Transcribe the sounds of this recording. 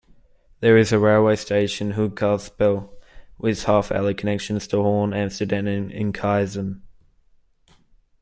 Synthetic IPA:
ðəɹɪzəɹeɪlˠweɪsteɪʃə̃nɦʊɡ̚kʰɑˑsbɪlˠwʔɪð̥hɑˑfæ̰lˠikʰənɛkʃə̃nz̥tʰəhɔːnæ̃mstədæ̃mɪ̃nɪ̰̃nkʰɑɪzə̃m

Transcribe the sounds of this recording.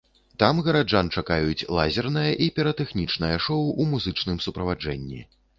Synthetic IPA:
t̪amɣɐɾad͡ʐant͡ʂakajut͡sʲlˠa̰zʲɛrn̪ɐjɐʔipʲɛɾɐt̪ɛxnʲit͡ʂnɐjɐʂɔwʔumuzɨt͡ʂnɨmsupɾɐvad͡ʐɛ̰nʲːḭ

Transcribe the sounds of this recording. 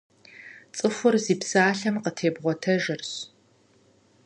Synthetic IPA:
t͡sʼɨxʷʊrziːpsaːɬɐmqətʰeːbʁʷɔtʰɐʒɪrɕ

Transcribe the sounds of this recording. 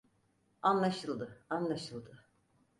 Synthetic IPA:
anlˠaʃɯlˠd̪ɯanlˠaʃɯlˠd̪ɯ

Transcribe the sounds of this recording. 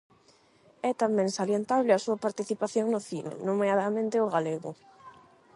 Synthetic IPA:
ɛt̪amɛ̃ŋsaljent̪aβlɪasuɐpaɾt̪iθipaθjoŋnʊθinḛnomiaðamẽnt̪ɪoɣaleɣʊ̰

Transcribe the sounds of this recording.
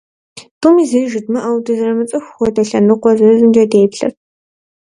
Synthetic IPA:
tumiːzejʒɪdmɐʔɐwdɨzrɐmɨt͡sʼɨxʷxʷɔdɐɬɐnɨqʷɔzɐrɨzɨnd͡ʒɐdeːpɬɐ̰r

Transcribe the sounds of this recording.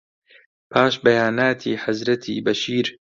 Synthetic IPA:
pʰaːʃbɐjaːnaːt̪ʰḭːħazɾɐt̪ʰḭːbɐʃiːɾ

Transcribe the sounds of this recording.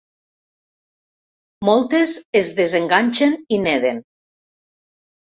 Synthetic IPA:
mɔlˠt̪ezezðezeŋɡaɲʲt͡ʃenineðen

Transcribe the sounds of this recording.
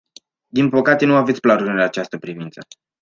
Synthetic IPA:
d̪inpəkat̪e̞nuavet̪sʲplaɾuɾɨnat͡ʃast̪əpɾivint̪sə

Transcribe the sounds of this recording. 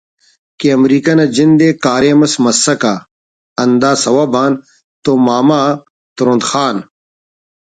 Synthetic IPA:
keɐmɾiːkɐnɐd͡ʑind̪eːkaːɾeːmɐsmɐsːɐka | ɐnd̪aːsɐwabaːn | t̪oːmaːma | t̪uɾõnd̪xaːn

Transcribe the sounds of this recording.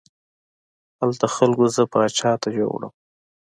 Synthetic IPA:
halt̪axalɡozəpəːt͡ʃɑt̪ad͡ʒo̰wɽə̰m

